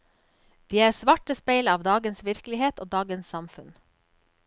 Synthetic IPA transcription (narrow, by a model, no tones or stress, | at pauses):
d̪̥iːæːɾsʋɑʈəspeɪlɑːʋd̪ɑːɡənsʋɪɾklɪheːt̪oːd̪ɑːɡənssɑmfʉn